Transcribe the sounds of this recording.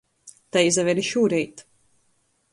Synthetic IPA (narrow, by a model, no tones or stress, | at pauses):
t̪ajizɛvʲɛɾiʃuːɾɛjt̪